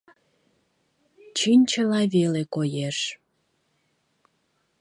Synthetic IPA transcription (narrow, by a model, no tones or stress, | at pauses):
t͡ɕinʲt͡ɕəlɑβelekojeʃ